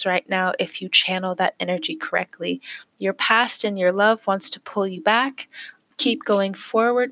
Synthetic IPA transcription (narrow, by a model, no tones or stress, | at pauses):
ɹaɪtⁿnaʊʔɪfjɨt͡ʃʰænl̩ˠðɨ̰ɾɛnə˞d͡ʒikʰə˞ɛ̰k̚tʰˡlijə˞pʰæstɨ̃njə˞lʌvwɑ̃ntstʰə̥pʰʊlˠjɨbækʰ | ip̚ɡ̥oʊɪ̃ŋfɔɹwə˞d